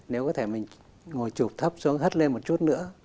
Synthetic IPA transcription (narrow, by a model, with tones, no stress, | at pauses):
ne˨˦wkɔ˨˦t̪ʰe˧˩mï˨˩ŋ̟ | ŋo˨˩jt͡ɕu˨˩p̚t̪ʰə˦˥p̚su˨˦əŋɦə˦˥t̚le˧nmo˨˩t̚t͡ɕu˦˥t̚nɨ̰˧˥ə